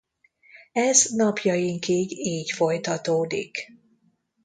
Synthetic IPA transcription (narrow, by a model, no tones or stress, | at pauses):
ɛznɒpjɒjiŋkiɡiːcfo̞jt̪ɒt̪oːd̪ḭk